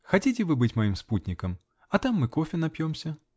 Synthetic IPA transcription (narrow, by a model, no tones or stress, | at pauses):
xɐtʲitʲɪvɨbɨtʲmɐjimsput̪ʲnʲɪkəm | ɐt̪amːɨkofʲɪnɐpʲjomsʲə